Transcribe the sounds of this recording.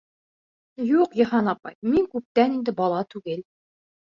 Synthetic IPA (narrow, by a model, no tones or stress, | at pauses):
juqjɤ̆hɑnɑpɑ̰jmiŋkʉp̚t̪ænind̪ɘbɑlˠɑt̪ʉɡɘl